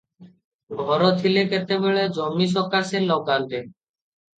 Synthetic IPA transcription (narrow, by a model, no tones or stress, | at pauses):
ɡʱɔɾot̪ʰileket̪ebeɭed͡ʑɔmːiʃ̬ɔɾkaselɔkald̪e